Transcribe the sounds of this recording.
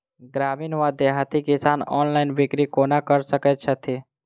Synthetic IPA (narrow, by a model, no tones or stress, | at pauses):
ɡɾaːmiːnʋad̪eɦat̪ikisaːnɔ̰ːnlaɪnbɪkɾikoːnakəɾsəkɛt͡ʃʰət̪ʰi